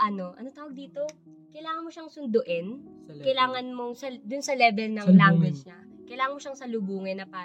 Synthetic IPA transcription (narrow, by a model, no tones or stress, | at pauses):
ʔɐno̞ʔɐ̰not̪aːwɐɡ̚d̪iːt̪o̞ | kɐjlaːŋɐnmoʃaŋsʊnd̪ʊʔɛn | kɐjlaːŋɐnmoŋsɐd̪ʊnsɐlɛːbɛlnɐŋlaŋɡwɪd͡ʒɲa | kɐjlaːŋɐnmoʃaŋsɐlʊbuːŋɛnːɐpaː